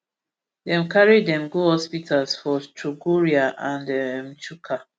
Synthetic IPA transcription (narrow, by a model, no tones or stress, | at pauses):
dɛ̃mkaɹidɛ̃mɡuhɔspitʰalsfɔstɹuɡuɹiaʔãndɛmt͡ʃukʰa